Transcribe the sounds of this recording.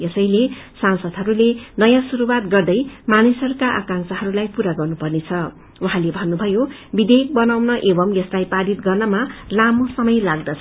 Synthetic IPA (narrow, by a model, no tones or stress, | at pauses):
ʌsʌjlesansʌd̪ʱɦʌɾulenʌjãsuɾuwat̪ɡʌrd̪ʌjmanisʌɾukaʔa̰kaŋsʌɦʌɾulajpuɾaɡʌrnupʌrnet͡sʰʌ | uɦãlebʱʌnːubʱʌjobid̪ek̚bʌnawnʌʔebʌmjʌslajpaɾit̪ɡʌrnʌmalamosʌmʌjlaɡd̪ʌt͡sʰ